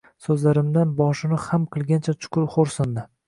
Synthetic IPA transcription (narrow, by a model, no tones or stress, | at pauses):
sɵzlaɾɪmd̪anbɒʃɪnɪhamqʰɨlˠɡʲant͡ʃʰat͡ʃʰʊ̥kʊɾχoɾsɪnd̪ɪ